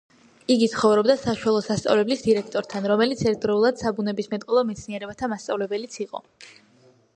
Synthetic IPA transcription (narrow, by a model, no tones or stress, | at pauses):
iɡit̪sʰχɔvɾɔbd̪asaʃualˠɔsast̪sʼa̰vlɛblisd̪iɾɛk̚ʰt̪ʼɔɾt̪ʰanɾɔmɛlit̪sʰɛɾt̪̚ʰd̪ɾɔulˠad̪̥sabunɛbismɛt̪ʼqʼɔlˠɔmɛt̪sʰniɛɾɛbat̪ʰamast̪sʼa̰vlɛbɛlit̪sʰiqʼɔ̰